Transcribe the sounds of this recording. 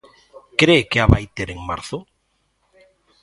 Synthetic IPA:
kɾekeaβajt̪eɾeŋma̰ɾθʊ

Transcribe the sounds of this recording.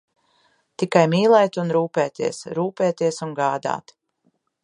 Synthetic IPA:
t̪ikajmiːlˠɛjt̪unɾuːpɛːt̪ḭɛsɾuːpɛːt̪iɛsunɡaːd̪a̰ːt̪

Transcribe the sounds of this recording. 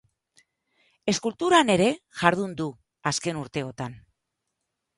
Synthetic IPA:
e̞skult̪uɾane̞ɾe̞ʝaɾð̞und̪u | aske̞nuɾt̪e̞o̞t̪an

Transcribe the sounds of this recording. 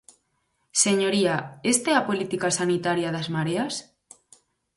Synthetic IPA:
seɲoɾiaest̪eapolit̪ikasanit̪aɾjaðazmaɾeas

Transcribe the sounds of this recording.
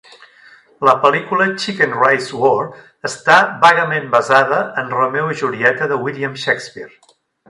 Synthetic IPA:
ləpəlikulət͡ʃikənrajzwɔr | əst̪aβaɣəmembəzaðəənrəmewiʒuɾiɛt̪əðəwiliəmʃɛkspiɾ

